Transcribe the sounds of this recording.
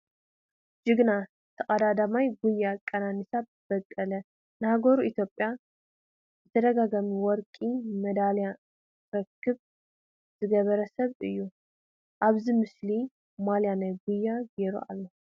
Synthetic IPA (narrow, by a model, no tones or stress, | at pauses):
d͡ʒɨɡna | t̪ʰɐkʼɐd̪ad̪amajɡujːakʼɐnanɨsab̚ | b̥ɐkʼːɐlɐ | nɨhaɡoɾuit̪ʰjo̞pʼja | zɨt̪ʰɐd̪ɐɡaɡamiwɔɾkʼimɐd̪alja | ɾɐkʰːɨβ | zɨɡɐβɐɾɐsɐβɨjːu | ʔaβzimɨsli | maljanajɡujːaɡeɾṵʔa̰lːo